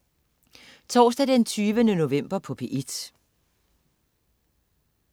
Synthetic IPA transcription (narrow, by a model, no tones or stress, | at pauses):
t͡sʰɒ̰ːsd̥æd̥ent͡sʰyːʋənəno̝ʋem̰b̥ɐpʰɒ̽pʰeʔid̥